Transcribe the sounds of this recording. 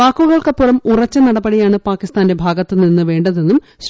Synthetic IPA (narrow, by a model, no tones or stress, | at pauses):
aːkːuɣɐɭkɐpːurɐmurɐt͡ɕːɐnɐɽɐbɐɽijaːɳɨpaːkːist̪aːnde̞bʱaːɡɐt̪ːɨninːɨʋe̞ːɳɖɐðe̞nːum | ɕ